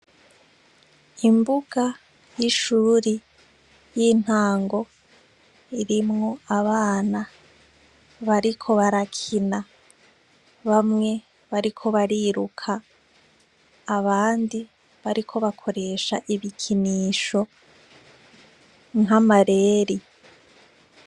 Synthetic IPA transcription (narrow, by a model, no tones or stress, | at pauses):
imbuɡ̥a | jiʃuːɾi | jiːn̥haːŋɡo̞ | iɾimŋo̞aβaːna | βaɾikʰo̞βaɾakʰina | βamŋe̞ | βaɾikʰo̞βaɾiɾukʰa | βaːndi | βaɾikʰo̞βakʰo̞ɾe̞ʃaʔiβikʰiniːʃo̞ | ŋɦamaɾe̞ːɾi